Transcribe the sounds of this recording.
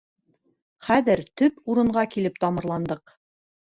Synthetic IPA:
χæðɘɾt̪ɵpuɾɤ̆ɴɢɑkilɘp̚t̪ɑmɤ̆ɾlˠɑnd̪ɤq

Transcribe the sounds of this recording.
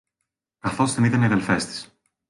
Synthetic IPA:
kɐθo̞zðenit̪ɐniɐðelfe̞st̪i̥s

